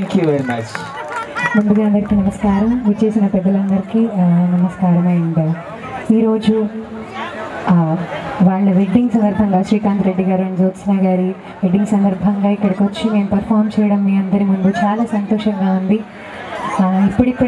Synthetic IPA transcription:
ŋkjuʋeɾimɐt͡ʃ | mund̪uɡaːɐnd̪ɐɾikiːnɐmɐskaːɾɐmʋut͡ʃeːsinɐpɛd̪ːɐlɐnd̪ɐɾikinɐmɐskaːɾɐmɐjund̪aː | iːɾo̞ːd͡ʒu | ʋaːɭːɐʋeɖiŋɡsɐnd̪ɐɾbʱɐŋɡaːʃɾiːkaːnt̪ɾe̞ɖːiɡaːɾuɐnid͡ʒoːt̪snaːɡaːɾi | ʋeɖiŋɡsɐnd̪ɐɾbʱɐŋɡaːikːɐɽɐkʋɐt͡ʃːune̞ːnupɐɾpʰaːɾmt͡ʃɛːjɐɽɐmːiːɐnd̪ɐɾimund̪ut͡ʃaːlaːsɐnt̪ɔːʂɐŋɡaːund̪i | ipːuɽikːɐ

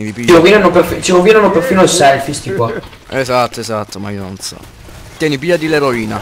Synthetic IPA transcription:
iipit͡ʃːiɾovinanoperfit͡ʃiɾovinanoperfiːnoesɛlfist̪ikwa | ezat̪ːoezat̪ːomaiononsɔ̰ | t̪jɛːnipiːad̪ileɾoiːna̰

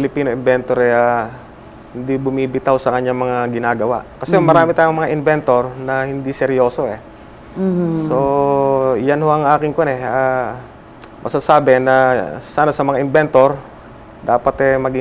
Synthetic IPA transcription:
ɪlɪpiːnoʔɪnbɛnt̪oɾɛʔa | hɪnd̪ibʊmiːbɪt̪aosɐkɐɲːaŋmɐŋaɡɪnaːɡɐwa̰ʔkɐsɛŋmɐɾaːmɪt̪aːjoŋmɐŋaʔɪnbɛnt̪o̞ɾnɐhɪnd̪isɛɾjo̞ːso̞ʔɛ | so | janhoʔɐŋʔaːkɪŋkʊanɛa | mʔɐsasaːbɛnɐsaːnasɐmɐŋaʔɪnbɛnt̪o̞ɾ | d̪aːpɐt̪ɛmɐɡɪ

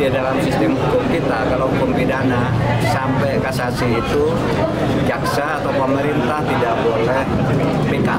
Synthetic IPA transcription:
idalamsist̪ɪmɦukʊmkit̪akaloukəmpidana | sampɛkasasiit̪u | d͡ʒaksaːt̪awpəməɾint̪aht̪idaʔbolɛh | pika̰

